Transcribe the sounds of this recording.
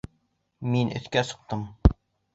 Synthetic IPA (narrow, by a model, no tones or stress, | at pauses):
minɵ̰̆θkæsŏq̚t̪ɤm